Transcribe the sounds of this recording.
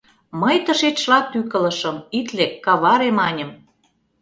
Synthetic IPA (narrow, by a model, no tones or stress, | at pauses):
məjt̪ə̆ʃet̪ʃlɑt̪ːykə̆lɤ̆ʃə̆mit̪lekɑβɑɾemɑnʲə̆m